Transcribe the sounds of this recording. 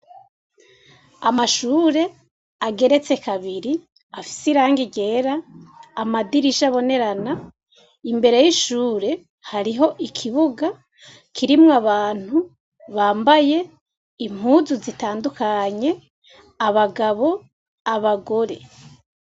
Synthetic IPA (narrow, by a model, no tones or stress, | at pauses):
amaʃuːɾe̞ | aɡe̞ɾe̞t͡se̞kaβiɾi | afi̥siɾaːŋɡiɟe̞ːɾaː | madiɾiʃaβo̞ne̞ɾana | imbe̞ɾe̞jiʃuːɾe̞ | haɾiɦo̞ʔikʰiβuɡa | kʰiɾimŋaβaːn̥hu | βaːmbaje̞ | im̥huːzuzitaːndukaɲe̞ | aβaɡaβo̞ | aβaɡo̞ɾe̞